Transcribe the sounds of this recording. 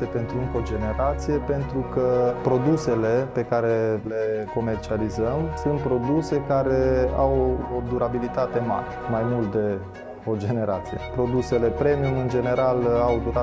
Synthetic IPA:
epe̞nt̪ɾuɨŋkod͡ʒe̞ne̞ɾat̪sije̞pe̞nt̪ɾukəpɾo̞d̪use̞le̞pe̞kaɾe̞le̞ko̞me̞rt͡ʃializəmsunt̪̚pɾo̞d̪use̞kaɾe̞awod̪uɾabilit̪at̪e̞ma̰ɾemajmult̪̚d̪e̞ | o̞d͡ʒe̞ne̞ɾa̰t̪sije̞̰pɾo̞d̪use̞le̞pɾe̞miumɨnd͡ʒe̞ne̞ɾalawd̪uɾa

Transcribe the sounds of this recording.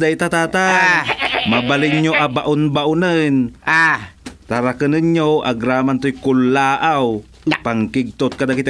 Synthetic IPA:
d̪ajt̪at̪at̪a | mabalɪɲɲoʔabaʔʊnbaʔʊnɨn | t̪aɾakənɨɲɲoa̰ɡɾamant̪ojkʊlːaːʔaw | paŋkɪɡ̚t̪ʊt̪̚kad̪akit̪a

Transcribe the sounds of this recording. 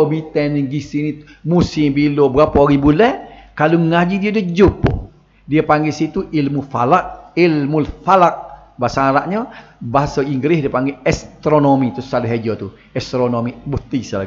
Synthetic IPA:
obit̪ɛniɡisini | musibilobəɾapɔaɡibulɛkaloŋad͡ʒidiadəd͡ʒupːʊ̰ | diapaŋɡɛsit̪uʔilmufalaʔ̚ilmulfalak̚ | baasaaɾaʔɲɔbaɦasaiŋɡɾɪhdiəpaŋɡɛɛst̪ɾonomit̪ʊsalɛɦed͡ʒɔt̪u | ɛst̪ɾonomibut̪isala̰ɡ

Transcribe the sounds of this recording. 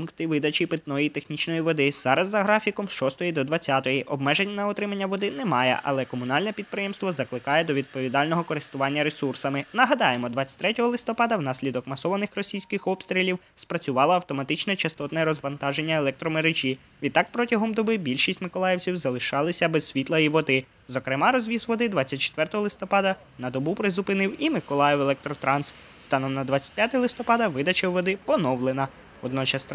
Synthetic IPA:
punkt̪ɪʋɪd̪ɐt͡ʃipɪt̪nɔjiit̪exnʲit͡ʃnɔjiʋɔd̪ɪz̥ɑɾɐzːɐɦɾɑfʲikɔmsʃɔst̪ɔjid̪ɔd̪ʋɐt͡sʲːat̪ɔjiʔɔbmɛʒenʲːɐnɐɔt̪ɾɪmɐnʲːɐʋɔd̪ɪnɛmɑjɛ̰ʔɐ̰lˠɛkɔmʊnɑlʲnɛpʲid̪̚pɾɪjɛmst̪ʋɔzɐklˠɪkɑjɛd̪ɔʋʲid̪̚pɔʋʲid̪ɑlʲnɔɦɔkɔɾɪst̪ʊʋɑnʲːɐɾesursɐmɪnɐɦɐd̪ɑjemɔd̪ʋɑt͡sʲːɐ̥t̪ʲɾɛtʲɔɦɔlˠɪst̪ɔpɑd̪ɐwnɑsʲlʲid̪ɔkmɐsɔʋɐnɪxrɔsʲijsʲkɪxɔpst̪ɾʲilʲiw | spɾɐt͡sʲʊʋɑlˠɐɐwt̪ɔmɐt̪ɪt͡ʃnɛt͡ʃɐst̪ɔt̪nɛɾɔzʋɐnt̪ɑʒe̞nʲːɐelˠɛk̚t̪ɾɔmeɾet͡ʃʲi | ʋʲid̪t̪ːɑk̚pɾɔtʲɐɦɔmd̪ɔbɪbʲilʲʃisʲtʲmɪkɔlˠɑjɛwt͡sʲiwzɐlˠɪʃɑlˠɪsʲɐbɛzsʲʋʲit̪lˠɐiʋɔd̪ɪ | zɔkɾɪmɑɾɔzʲʋʲizʋɔd̪ɪd̪ʋɑt͡sʲːɐt̚ʲt͡ʃe̥t̪ʋɛrt̪ɔɦɔlˠɪst̪ɔpɑd̪ɐ | nɐd̪ɔbupɾɪzʊpɪnɪwimɪkɔlˠɑjɛwɛlˠɛk̚t̪ɾɔt̪ɾɑns | st̪ɑnɔnɐd̪ʋatt͡sʲɐ̥t̚ʲpjat̪ɪlˠɪst̪ɔpɑd̪ɐʋɪd̪ɐt͡ʃɐʋɔd̪ɪpɔnɔwlˠenɐ | ɔd̪nɔt͡ʃɐs

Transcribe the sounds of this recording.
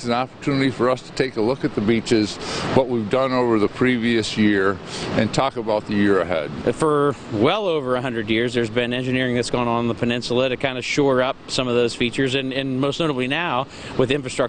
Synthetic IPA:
sn̩ɑpə˞tʰʉnɨɾifə˞ʌstʰə̥tʰeɪkəlʊkɨt̪̚ðɨbit͡ʃɪzwʌʔ̚wivdʌ̃noʊvə˞ðəpʰɹ̥iviɨsjɪɹɨ̃ntʰɔkəbaʊt̪̚ðɨjɪɹɨɦɛ̰d̥̚fə˞wɛlˠoʊvə˞əɦʌ̃ndɹɨdjɪɹzðə˞zbɨ̃nɛ̃nd͡ʒɨnɪɹɪ̃ŋðɨtsɡ̥ɔ̃nŋə̃nðəpʰɨnɪ̃nsl̩ˠəɾɨkʰãɪ̃ndɨʃɔɹʌp̚sʌ̃mʌvðoʊz̥fit͡ʃə˞zɨ̃nɨ̃nmoʊsnoʊɾəblinaʊ | wɨðɪ̃ɱfɹɨstɹ̥ʌ

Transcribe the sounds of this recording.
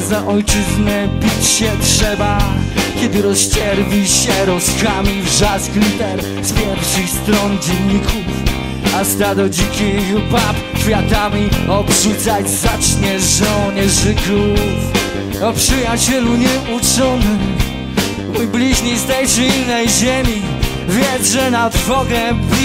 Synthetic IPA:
zaʔɔjt͡ʂɨznɛbʲit͡ɕɕɛtʂɛbakʲɛd̪ɨɾɔst͡ɕɛɾvʲiɕɛɾɔskamʲivʐasklʲit̪ɛɾ | spʲjɛɾfʂɨxst̪ɾɔnd͡ʑɛnɲːikʰuf | ast̪ad̪ɔd͡ʑikʲijubap | kfʲjat̪amʲiɔbʐut̪sad͡ʑzat͡ʂɲɛʐɔɲɛʐɨkɾuf | ɔpʂɨjat͡ɕɛluɲɛʔut͡ʂɔnɨm | mujblʲiʑɲejst̪ɛjt͡ʂɨilnɛjʑemʲi | vʲjɛʐɛnad̪vɔɡɛblʲ

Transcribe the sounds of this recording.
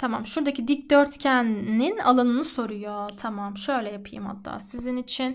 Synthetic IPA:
t̪ʰamamʃuɾd̪acʰid̪ic̚d̪øɾt̪cʰænːina̰lˠanɯnɯso̞ɾujo̞t̪ʰamamʃø̞jlʲɛjapʰɯjɯ̰mha̰t̪ʰːa̰ːsizinit͡ʃʰin

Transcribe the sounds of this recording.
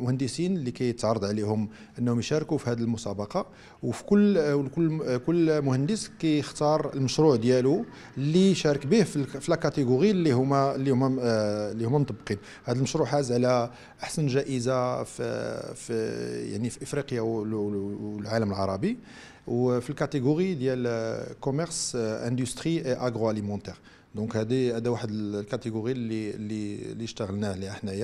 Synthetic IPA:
mʊhənd̪əsinlːikæjət̪ʕɑɾˤɑd̪ˤʕlihʊm | ʔənːhʊmjʃæɾkufihæd̪əlmʊsɑbɑqɑ | wfi̥kʊlːwkʊlːkʊlːmʊhənd̪əskæjəxt̪ɑɾˤəlməʃɾuʕd̪jælu | lːiʃæɾˤəkbihfilfilækæt̪eɡuɣilːihʊmælːihʊmːælːihumːæmt̪ˤɑbːqin | hæd̪əlməʃɾuħæzʕlæ | ʔəħsənʒæʔəzaffja̰ʕnifiʔəfɾiqjaw | lʕaləməlʕɑɾˤɑbi | wfilkæt̪eɡoʁid̪jælkomɛʁsʔæ̃nd̪yst̪χiʔeʔaɡʁoalimɑ̃nt̪ɛʁ | d̪ɔ̃khæd̪ihæd̪æwaħəd̪əlkæt̪eɡoʁililːilːiʃt̪əɣəlnæhliəħnæjæ

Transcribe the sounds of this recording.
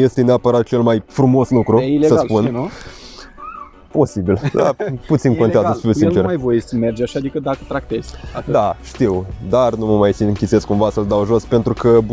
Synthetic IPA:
je̞st̪e̞neapəɾat̪̚t͡ʃe̞lmajfɾumo̞snukɾueilesəaslpunnu | po̞sibild̪a̰put̪sinkont̪eazəfiusint͡ʃermajvojessəmerd͡ʒaʃad̪ikəd̪akət̪ɾakt̪ez̥ʲd̪aʃt̪iwd̪arnuməmajsiɨŋkʲit̪seskumvasəld̪awʒo̞spe̞nt̪ɾukəb

